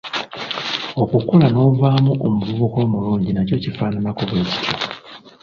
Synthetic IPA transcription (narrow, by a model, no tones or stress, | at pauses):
o̞kukulano̞ːvaːmuʔomuβuβuko̞ːmuluːɲɟinaco̞cifaːnanakuβweːci̥tʰo̰